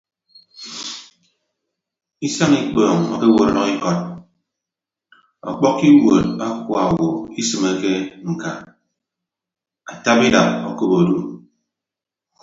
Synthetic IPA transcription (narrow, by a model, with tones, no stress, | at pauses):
i˦sa˦ŋi˦k͡pɔː˨ŋɔ̰˨ke˦wo˨ɾɔ˦nɔ˦ki˦kɔ˦t̚ | ɔ̰˨k͡pɔ˦kːi˦wo˨t̚a˦kwa˨o˨wo˨i˦sɨ˨me˦ke˦ŋ̩˨ka˨ | a˨ta˦bi˦da˨p̚o˨ko˦bo˨du˨